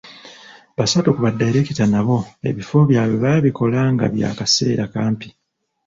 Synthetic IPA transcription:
βasatokuβadːaiɾe̞citanaβo̞e̞̰βifo̞βjaːβoβaβiko̞laːŋɡa̰βja̰ːkase̞ːɾakaːmpi

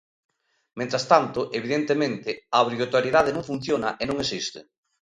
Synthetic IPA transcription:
mẽnt̪ɾast̪ant̪ʊʔeβ̞iðent̪emẽnt̪ɪaβɾiɣot̪oɾjeðaðenõŋfun̟θjonaʔenõŋesist̪ɪ̰

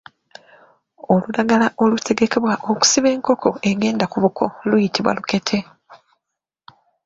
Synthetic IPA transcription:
o̞luɾaɡalaʔo̞lutʰe̞ɡe̞ke̞βwaʔo̞ku̥siβe̞ːŋko̞kʰo̞e̞ɡe̞ːndakuβukʰo̞̰lujitiβwa̰luke̞tʰe̞

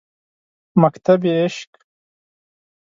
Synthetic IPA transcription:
mɐkt̪ɐbieʃk

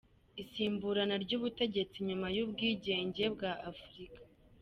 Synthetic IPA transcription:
isiːmbuɾanaɾɟuːβute̞ɟe̞t͡siɲumajubɡiːɟe̞ːɲɟe̞bɡaʔafuɾikḁ

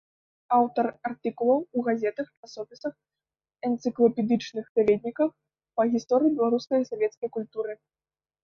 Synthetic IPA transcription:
awt̪ɐrart̪ɨkulˠɐwuɣazʲɛt̪ɐxasɔfʲisɐx | ɐnt̪sɨklˠɐpʲɛd̪ɨt͡ʂnɨxpʲavʲɛd̪̚ʲnʲikɐx | pɐɣʲist̪ɔɾɨjibʲɛlˠaɾuskɐjsavʲɛt̪skɐjkulʲt̪uɾɨ

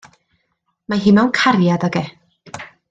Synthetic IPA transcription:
maɦɪnawnkʰarjadɔɡɛ

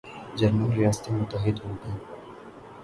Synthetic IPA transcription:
d͡ʒɐɾnəlɾijaːst̪emʊt̪əɦɪd̪ɦoːɡaː

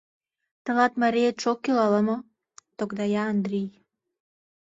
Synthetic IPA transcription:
t̪ə̆lɑt̪mɑɾijet͡ʃokːilɑləmo | t̪okd̪ɑjɑːnd̪ɾij

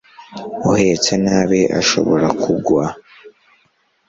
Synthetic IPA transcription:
uhet͡sanaβeʔa̰ʃo̞̰βo̰ɾakʰuɡwa

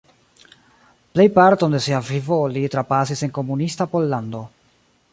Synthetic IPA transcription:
ple̞jpaɾto̞nde̞siavivo̞litɾapasise̞nko̞munistapo̞lːando̞

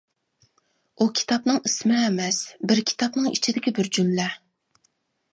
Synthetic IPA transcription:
ukʲʰi̥t̪ʰɑpnɨŋismɪɛmɛsbɪɾkʲʰi̥t̪ʰɑpnɨŋḭt͡ʃʰid̪ɪkʲibɪɾd͡ʒymlɛ

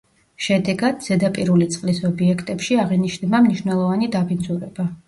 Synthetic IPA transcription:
ʃɛd̪ɛɡad̪z̥ɛd̪apʼiɾulit̪sʼqʼlisɔbiɛkʰt̪ʼɛpʃiaʁiniʃnnamniʃnɛlˠɔvanid̪abʰind̪zuɾɛba

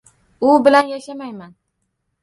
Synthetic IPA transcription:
ʊbɪlanjaʃamajman

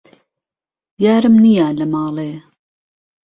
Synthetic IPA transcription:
jaːɾɨmnijalɐmɑːlˠeː

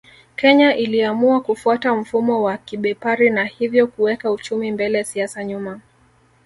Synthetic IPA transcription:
kɛɲaʔiliamuakufuatam̩fumɔwakiɓɛpaɾinahivjɔkuwɛkaut͡ʃumimbɛlɛsiasaɲuma

